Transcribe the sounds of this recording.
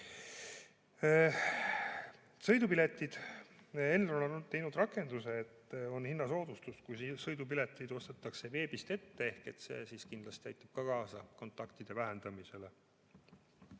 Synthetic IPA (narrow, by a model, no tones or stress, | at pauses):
sɤ̞jd̪upile̞t̪ːˑid̪̥ | e̞lːononot̪e̞jnud̪rɑkːˑe̞nd̪̥use̞ːt̪ːo̞nhinːɑso̞ːd̪̥ust̪uskujsisɤjd̪upile̞t̪ːˑid̪̥o̞st̪ɑt̪ːˑɑkse̞ve̞ːbist̪e̞t̪ːe̞e̞hke̞t̪se̞̰ːsiːskind̪lɑst̪iæjt̪ːˑɑb̥̚kɑkɑːsɑko̞nt̪ːˑɑkt̪id̪̥e̞væɦend̪̥ɑmise̞le̞